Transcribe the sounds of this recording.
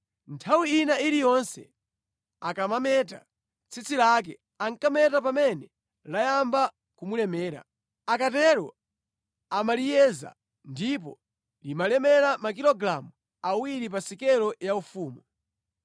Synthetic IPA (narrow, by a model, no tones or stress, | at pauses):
ntʰawiːnailijɔnsɛ̰ | akamamɛt̬a̰ | t͡sʰit͡sʰilak̬ɛ | aŋkamɛtap̬amɛnɛ | lajamba | kumulɛmɛːɾa̰ | akatɛɾɔ | amalijɛza̰ | ndip̬ɔ̰ | limalɛmɛɾamakilɔɡɾamu | awiɾip̬asikɛlɔjaufuːmu